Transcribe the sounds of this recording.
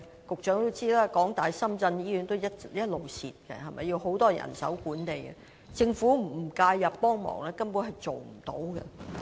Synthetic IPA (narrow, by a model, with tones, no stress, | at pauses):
kʊ˨k̚t͡ʃœː˨˥ŋt̪o˥wt͡siː˥laː˦˥kɔː˨˥ŋt̪aː˨jsɐ˥mt͡sɐ˧njiː˥jyː˨˧˥nt̪o˥wjɐ˥t̚jɐ˥t̚lo˨wsḭː˨t̚kɛ̰˧hɐ˨mʔɐ̰˨jːi˧wɦo˨˥wt̪ɔː˥jɐ̰˨˩nsɐ̰˨˥wkuː˨˥nt̪e˨jkɛ̰˧ | t͡sɪ˧ŋfuː˨˥m̩˨˩˨kaː˧jːɐ˨pːɔː˥ŋmɔ̰ː˨˩ŋlɛː˥kɐ˥npuː˨˥nɦɐ˨jt͡so˨wm̩˨˩t̪o̰˨˥wɡɛ̰˧